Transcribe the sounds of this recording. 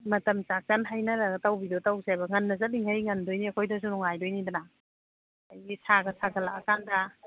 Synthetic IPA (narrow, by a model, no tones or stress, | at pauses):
mɐtɐmt͡ʃak̚t͡ʃanɦajnɐɾɐɡɐtawbidɔtawsajbɐŋɐnːɐzɐliŋhajŋɐndojniɐkʰojdɐs̬unɔŋajdojnidana | ajɡisaɡɐsaɡʰɐlakɐkandɐ